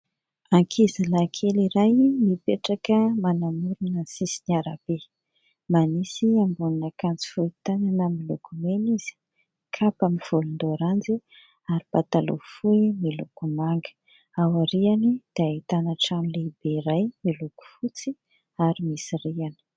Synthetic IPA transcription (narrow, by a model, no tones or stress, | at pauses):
aŋkʰizalakʰeliɾajmipeʈ͡ʂakəmanamuɾunəsisiɲaɾab̥e | manisiambuninakant͡si̥fuit̪ananamilukʰumeniz̥i̥ | kʰapamiv̥ulund̪oɾand͡zi | aɾib̥at̪alṵfuimilukumaŋɡə̥ | awaɾianid̪̥eait̪anaʈ͡ʂamilebeɾajmiluku̥fut͡si | aɾimisiriani̥